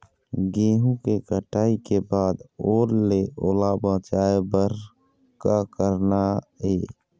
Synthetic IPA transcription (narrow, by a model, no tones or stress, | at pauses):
ɡeːɦũkekəʈaːikebaːd̪oːɾleʔoːlabə̃ːt͡ʃaːebəɾ | kakəɾnaeː